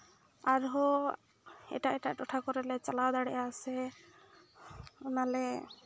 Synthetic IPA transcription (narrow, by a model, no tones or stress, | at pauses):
aɾɦɔ | ɛ̰ʈaʔɛʈaʔʈɔʈʰakɔɾɛlɛt͡ʃalawd̪aɽɛʔaːsɛ | ɔnalɛ